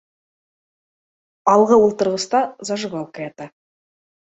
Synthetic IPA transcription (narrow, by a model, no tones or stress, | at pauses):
ɑlˠʁəwŏlˠt̪əɾʁəst̪ɑzɑʒəβɑlˠkajat̪ɑ